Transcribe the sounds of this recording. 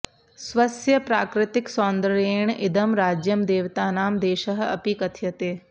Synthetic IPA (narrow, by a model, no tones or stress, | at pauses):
sʋɐsjəpɾaːkɾɪt̪ɪksɔːnd̪əɾeːɳ̃ɪd̪əmɾaːd͡ʒjəmd̪eːʋt̪aːnaːmd̪eːʃəɦɐ̰pikɐt̪ʰjɐt̪eː